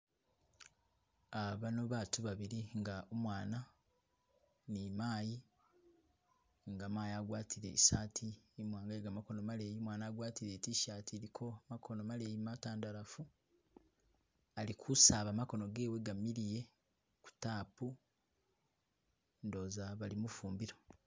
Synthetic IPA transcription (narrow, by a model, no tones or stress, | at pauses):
aβano̞βaːtuβaβiɾiŋɡaomwaːna | nimaːji | ŋɡamaːjaɡwaːtʰiɾe̞̰isaːtʰiemwaːŋɡaeɡamako̞nomale̞ːjimwaːnaːɡwaːtiɾe̞tiʃaːtʰiɾikʰo̞amakʰo̞no̞maleːjimataːndaɾafu | alikʰusaːβamako̞no̞ɡe̞ːwe̞ɡamiɾije̞ | ku̥taːpu | ndo̞zaβalimufuːmbiɾo